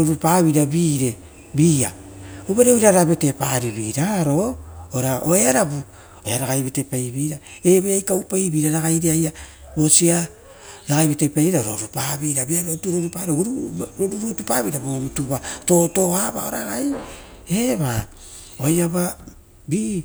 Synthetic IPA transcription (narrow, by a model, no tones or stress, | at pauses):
ɾoɾupaβiɾabiɾe̞ | biːa̰ | uβaɾeojɾaɾaβe̞tepaɾiβiɾaɾo̞oɾaoeaɾabu | eaɾaɡajβitepajβiɾaeβeajkawpajβiɾaɾaɡajɾeaja | bo̞sia | ɾaɣajβitajpajβiɾaɾoɾupaβiɾabiaɾotuɾoɾupaɾeɾuɾoɾuɾutupaβiɾabomituβato̞to̞aba̰oɾaɡaj | eβa | ojaβa | bi